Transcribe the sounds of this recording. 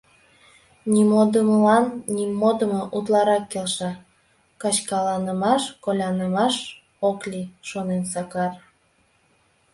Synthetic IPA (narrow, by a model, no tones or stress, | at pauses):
nʲimod̪əməlɑnːimːod̪əmoʔut̪lɑɾɑkːelʃɑ | kɑt͡ɕkɑlɑnəmɑʃkolʲɑnəmɑʃ | oklʲiʃonensɑkɑr